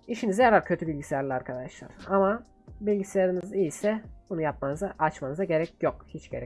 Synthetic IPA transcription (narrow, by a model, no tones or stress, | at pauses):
iʃinizɛɾaɾcʰø̞t̪ʰybilʲɟisijaɾlʲˠiaɾkʰad̪aʃlˠa̰ɾ̥ama | bilʲɟisijaɾinizijisɛbunujap̚manɯzaʔat͡ʃmanɯzaɟe̞ɾɛcjokhit͡ʃɟ̥e̞ɾɛ